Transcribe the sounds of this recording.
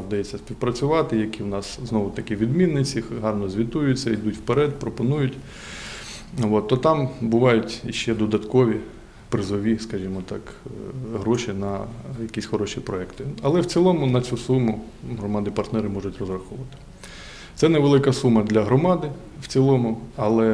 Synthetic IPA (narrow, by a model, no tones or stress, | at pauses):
wd̪ɐjɛt͡sʲːɐsʲpʲiwpɾɐt͡sʲʊʋɑt̪ɪjɐkʲiwnɑsznɔʋʊt̪ɐkʲiʋʲid̪mʲinːɪt͡sʲiɦɑrnɔzʲʋʲit̪ujʊt͡sʲːɐid̪utʲwpeɾɛt̪pɾɔpɔnujʊtʲ | ʋɔt̪t̪ːɔt̪ɑmbʊʋɑjʊtʲiʃt͡ʃɛd̪ɔd̪ɐt̪kɔʋʲi | pɾɪzɔʋʲiskɐʒimɔt̪ɑk | ɦɾɔʃinɐjɐkʲisʲxɔɾɔʃʲipɾɔɛkt̪ɪɐlˠɛwt͡sʲilˠɔmʊnɐt͡sʲusumʊɦɾɔmɑd̪ɪpɐrt̪nɛɾɪmɔʒʊtʲrɔzrɐxɔʋʋɐt̪ɪ̥ | t̪sɛnɛʋelˠɪkɐsumɐd̪lʲɐɦɾɔmɑd̪ɪ | w̥t͡sʲilˠɔmʊɐlˠɛ